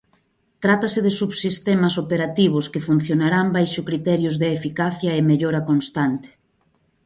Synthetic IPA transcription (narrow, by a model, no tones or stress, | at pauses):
t̪ɾat̪ɐsɪðɪsuβsist̪ɛmɐsopeɾat̪iβ̞ʊskɪfun̟θjonaɾambajʃʊkɾit̪ɛɾjʊzðeːfikaθjɐemeʎoɾɐkonst̪ant̪ɪ̥